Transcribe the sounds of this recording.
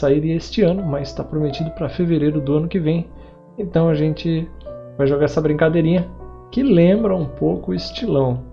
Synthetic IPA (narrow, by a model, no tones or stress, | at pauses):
saiɾest͡ʃɪɐ̃nʊmɐzɪst̪apɾomet͡ʃid̪ʊpɾɐfeveɾejɾʊd̪ʊɐ̃nʊkɪvẽj̃ | ẽnt̪ɐ̃w̃ɐʒẽnt͡ʃɪvajʒoɡaɾɛsɐbɾĩŋkad̪ejɾĩɲɐ | kɪlẽmbɾɐũpowkʊʊɪst͡ʃilɐ̃w̃